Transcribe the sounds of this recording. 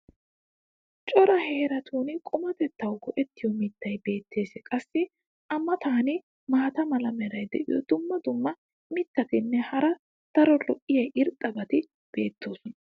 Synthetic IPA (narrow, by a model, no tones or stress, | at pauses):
t͡ʃʼɔɾɐheːɾɐt̪ʰuːnɪkʼʊmɐt̪ɛt̪ːɐwɡɔʔɛt̪ːɪjɔmɪt̪ːɐjbe̞ːt̪ʰːe̞ːsɛkʼɐsːɪ | ʔɐmːɐt̪aːnɪ | maːt̪ɐmɐlɐmɛɾɐjd̪ɛ̰ʔɪ̰jɔ̰d̪ʊmːɐd̪ʊmːɐ | mɪt̪ːɐt̪ɪnːɛhɐɾɐ | t̪ɐɾɔlɔʔɪjɐjʔɪɾt̪ʼːɐbɐt̪ɪ | b̥e̞ːt̪ʰːo̞ːsɔnɐ